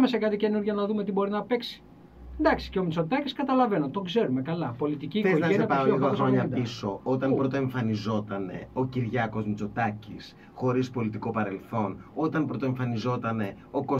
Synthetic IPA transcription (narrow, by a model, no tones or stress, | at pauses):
mesɐkɐt̪ice̞nuɾʝɐnɐðumet̪ibo̞ɾinɐpe̞ksi̥ | d̪ɐksi̥ceo̞mit͡so̞t̪ɐciskɐt̪ɐlɐve̞not̪o̞ɡze̞ɾume̞kɐlɐpo̞lit̪iciːeoɐenɐpoiɣoxɾoɲɐpiso̞ot̪ɐnpɾot̪oe̞ɱfɐnizo̞t̪ɐne̞̰o̞ciɾʝɐko̞zmit͡so̞t̪ɐcis | xo̞ɾispo̞lit̪iko̞pɐɾe̞lθo̞no̞t̪ɐnpɾot̪oe̞ɱfɐnizo̞t̪ɐne̞ | o̞ko